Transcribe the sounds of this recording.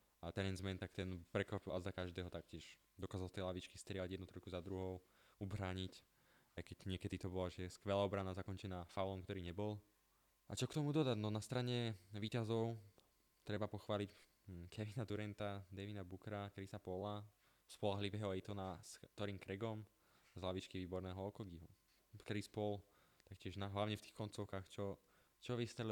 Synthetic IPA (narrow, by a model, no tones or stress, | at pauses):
at̪ɛɾɛnzmɛnt̪akt̪ɛnpɾɛkʋapilʔazd̪akaʒd̪ɛːɦɔt̪ak̚cɪɛʃ | d̪ɔkaːzalˠt̪ɛjlaʋit͡ʃkist̪ɾɪɛlaɟɛd̪nut̪ɾɔjkuzad̪ɾuɦɔʊ | ubɾaːɲic | ajkɛɟɲɪɛkɛd̪it̪ɔbɔlaʒɛskʋɛlaːɔbɾanazakɔɲt͡ʃɛnaːfawlɔmkt̪ɔɾiːɲɛbɔl | at͡ʃɔkt̪ɔmud̪ɔd̪aɟnɔnast̪ɾaɲɛʋiːcazɔʊ | t̪ɾɛbapɔxʋaːlic | kʰɛʋinat̪uɾɛnt̪ad̪ɛʋinabukɾakɾisapɔla | spɔlaɦliʋɛːɦɔɛt̪ɔnast̪ɔɾiːmkɾɛɡɔm | zlaʋit͡ʃkiʋiːbɔɾnɛːɦɔɔkɔɡiɦu | kɾispɔl | t̪akcɪɛʒnaɦlaʊɲɛft̪iːxkɔnt͡sɔʊkaːxt͡ʃɔ | t͡ʃɔʋist̪ɛl